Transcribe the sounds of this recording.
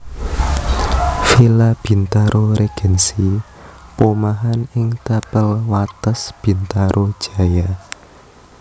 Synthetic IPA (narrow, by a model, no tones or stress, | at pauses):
filab̥i̤nt̪aɾʔoɾeɡ̥ɛ̤nsi | pomaɦanɪŋt̪apəlwat̪əsb̥i̤nt̪aɾʔod̥ʒ̥a̤ja